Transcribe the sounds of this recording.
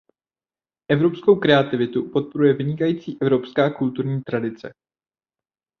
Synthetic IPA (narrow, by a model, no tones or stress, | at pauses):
ʔɛvɾo̞psko̞wkɾɛat̪ɪvɪt̪upo̞t̪̚po̞ɾujɛvɪɲɪkajiːt͡siːʔɛvɾo̞pskaːkult̪uɾɲiːt̪ɾadɪt͡sɛ̰